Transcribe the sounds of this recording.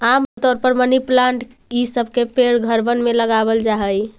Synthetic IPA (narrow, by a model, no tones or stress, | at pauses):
amt̪ɔɾpəɾməniplaɳʈ | isəbʱkepeɽɡʱəɾbənmeləɡabəld͡ʒaɦəj